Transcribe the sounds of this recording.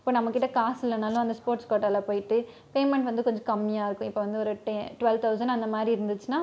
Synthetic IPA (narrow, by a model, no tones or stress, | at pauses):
ɪpːoːnɐmːɐkːɪʈːɐkaːsɪlɐnaːlʊ̃ɐnd̪ɐspoːɾʈskoːʈːɐːlapoːjɪʈːɯ | peːmɛɳʈʋɐnd̪ɯkɔɲd͡ʒɔ̃kɐmːɪjaːɪɾɯkːʊ̃ɪpːoːʋɐnd̪ɯɔɾɯʈɛʈʊʋɛlʋt̪ʰɐʊsɐnɖɐnd̪ɐmaːd̪ɾiɪɾɯnd̪ɯt͡ʃːɯnaː